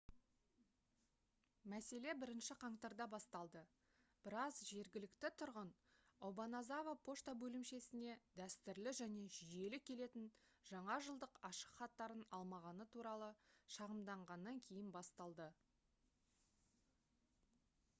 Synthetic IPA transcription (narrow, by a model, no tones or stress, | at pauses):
mæse̞le̞bɪɾɪnʃɪqʰɑɴt̪ɑɾd̪ɑbɑst̪ɑlˠd̪ə | b̥ɪɾɑzʒe̞ɾɡʲɪlɪkt̪ɪt̪ʰʊɾʁən | ɑwbɑnɑzɑvapʰo̞ʃt̪abɵlɪmʃe̞sɪne̞d̪æst̪ɪɾlɪʒæne̞ʒije̞lɪkʲʰe̞le̞t̪ɪnʒ̥ɑɴɑʒəlˠd̪əqɑʃə̥qχɑt̪ːɑɾənɑlˠmɑʁɑnət̪ʰuɾɑlˠəʃɑʁəmd̪ɑɴʁɑnːɑŋkʲʰe̞jɪnbɑst̪ɑlˠd̪ə